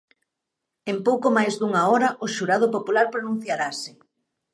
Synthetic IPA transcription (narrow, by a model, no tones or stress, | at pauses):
empowkomajzðuŋaɔɾɐʔʊʃuɾað̞ʊpopulaɾpɾonũn̟θjaɾasɪ